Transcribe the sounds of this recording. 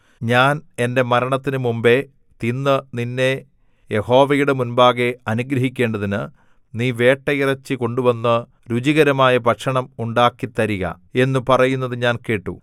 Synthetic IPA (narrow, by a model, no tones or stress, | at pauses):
ɲaːne̞nde̞mɐɾɐɳɐt̪ːinɨmumbe̞ | t̪inːɨninːe̞ | je̞ho̞ːʋɐjuɽe̞munbaːɣe̞ɐnuɡɾɐɦikʲːe̞ːɳɖɐðinɨ | niːʋe̞ːʈːɐjirɐt͡ɕːɨko̞ɳɖuʋɐnːɨ | ɾud͡ʑiɣɐɾɐmaːjɐpɐʈʂɐɳɐmuɳɖaːkːit̪ːɐɾiɣɐ̰ | e̞nːupɐrɐjunːɐðɨɲaːnke̞ːʈːṵ